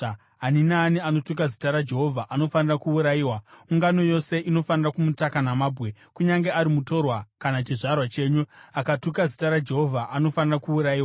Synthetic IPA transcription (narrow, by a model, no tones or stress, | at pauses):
ɦaninaːniano̞tuk̬azitaɾad͡ʒe̞ɦo̞vʱaʔano̞fanirakuuɾajiːwamuŋɡano̞jose̞ʔino̞fanirakumutakanamaːbʱɣe̞ | kuɲaŋɡeaɾimuto̞rwakanat͡ʃiʐarwat͡ʃe̞ːɲuakatukazitaɾad͡ʒe̞ɦo̞vʱaʔano̞fanirakuuɾaiːw